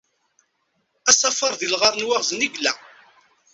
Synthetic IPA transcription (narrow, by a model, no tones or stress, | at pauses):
æsˤɑfɑɾˤðilʁɑɾˤnwaʁzniɡlæ̰